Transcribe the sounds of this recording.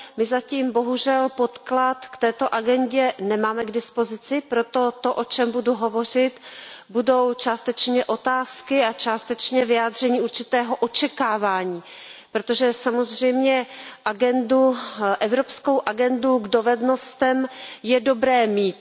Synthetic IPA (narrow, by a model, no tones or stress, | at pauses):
mɪzaciːmbo̞ɦuʒɛlpo̞t̪klat̪kt̪ɛːt̪o̞ʔaɡɛnɟɛnɛmaːmɛɡdɪspo̞zɪt͡sɪpɾo̞t̪o̞t̪oʔo̞t͡ʃɛmbuduɦo̞vo̞r̝ɪt̪budo̞wt͡ʃaːst̪ɛt͡ʃɲɛʔo̞t̪aːskɪat͡ʃaːst̪ɛt͡ʃɲɛvɪaːd̪r̝ɛɲiːuɾt͡ʃɪt̪ɛːɦo̞ʔo̞t͡ʃɛkaːvaːɲiː | pɾot̪o̞ʒɛsamo̞zr̝ɛjmɲɛʔaɡɛnduʔɛvɾo̞pskowʔaɡɛnduɡdo̞vɛdno̞st̪ɛmjɛdo̞bɾɛːmiːt̪̚